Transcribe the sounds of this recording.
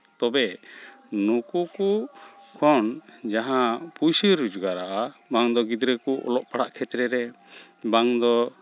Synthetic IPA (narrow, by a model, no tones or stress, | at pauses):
t̪ɔbɛ | nukukukʰɔnd͡ʒaɦãpujsiɾud͡ʒuɡaɾaʔabaŋd̪ɔɡid̪ɾɛkuʔɔ̰lɔʔpaɽaʔkʰɛt̪ɾɛɾɛ | baŋd̪ɔ